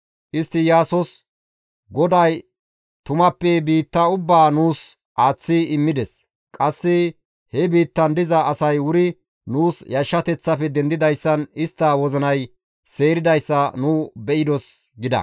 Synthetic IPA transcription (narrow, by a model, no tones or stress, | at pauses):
ʔɪst̪ːɪjaːsɔs | ɡɔd̪ɐj | t̪ʊmɐpːɛbiːt̪ːɐʊbːaːnuːs | ʔaːt͡sːɪɪmːɪd̪ɛs | kʼɐsːɪ | hɛbiːt̪ːɐnd̪ɪzɐʔːsɐjwʊɾɪ | nuːsjɐʃːɐt̪ɛt͡sːɐfɛd̪ɛnd̪ɪd̪ɐjsːɐnɪst̪ːɐwɔzɔnɐj | se̞ːɾɪd̪ɐjsːɐnuːbɛʔɪd̪ɔs | ɡɪd̪ɐ̰